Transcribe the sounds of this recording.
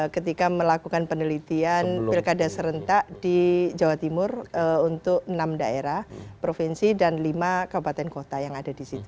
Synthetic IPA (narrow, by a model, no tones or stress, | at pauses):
kət̪ikaməlakukanpənəlit̪ianpɪlkadasəɾənt̪aʔd̥id͡ʒawat̪imʊrunt̪ʊk̚namdaeɾahpɾofinsidanlimakabupat̪ɛnkot̪ajaŋadadisit̪u̥